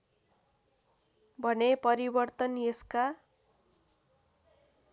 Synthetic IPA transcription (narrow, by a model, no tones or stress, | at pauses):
bʱʌnepʌɾibʌrt̪ʌnjeska